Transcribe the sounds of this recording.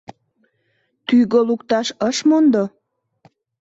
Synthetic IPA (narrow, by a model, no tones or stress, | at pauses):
t̪yɣolukt̪ɑʃəʃmond̪o